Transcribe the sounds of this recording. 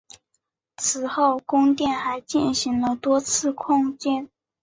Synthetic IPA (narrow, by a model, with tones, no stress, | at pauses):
t͡sʰɹ̩˨˩xo˥˩ʊkʊ˥ŋt̪jɛ˥˩nxa˧˥ɪt͡ɕi˥˩nɕi˧˥ŋlə˧t̪wɔ˥t͡sʰɹ̩˥˧kʰɑ˥˧ŋt͡ɕɛ˥˩n